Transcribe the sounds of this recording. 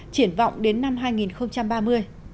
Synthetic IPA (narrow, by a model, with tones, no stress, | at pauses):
t͡ɕi˧˩ənva̰˧˨wŋ͡mɗe˨˦nːa˧mɦaː˧jŋi˨˩nxə˧wŋ͡mt͡ɕa˧mɓaː˧mɨ˧əj